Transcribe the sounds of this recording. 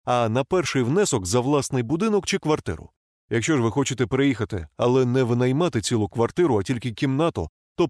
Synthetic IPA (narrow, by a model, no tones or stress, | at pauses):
ɐnɐpɛrʃɪjwnɛsɔkzɐʋlˠasnɪjbʊd̪ɪnɔkt͡ʃɪkʋɐrt̪ɪ̰ɾʊ̰ | jɐkʃt͡ʃɔʒʋɪxɔt͡ʃɪt̪ɛpeɾɪjixɐt̪ɪ̰ɐ̰lˠɛnɛʋnɐjmat̪ɪt͡sʲilˠʊkʋɐrt̪ɪɾʊɐtʲilʲkɪkʲimnat̪ɔ̰ | t̪ɔ